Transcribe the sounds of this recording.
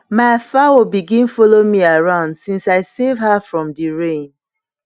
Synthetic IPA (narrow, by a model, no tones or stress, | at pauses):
maɪfawibiɡĩnfɔlomiaɹãʊ̃ndsĩnsaɪsevɦafɹɔ̃mdiɹẽn